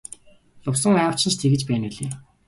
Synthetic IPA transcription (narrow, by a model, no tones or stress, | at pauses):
ɮʊwsə̆ŋaːw̥t͡ɕɪ̆nt͡ɕʰt̪ʰeɣɘ̆t͡ɕpæːneɮeː